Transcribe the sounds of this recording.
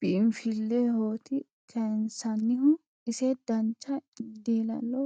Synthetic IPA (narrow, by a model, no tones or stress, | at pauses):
b̥ɪɪmfɪlːehoːt̪ɪ | kʰɐnsɐnːɪhʊ | ɪsɛd̪̥ɐnt͡ʃːɐd̪iːlɐ̰lːɔ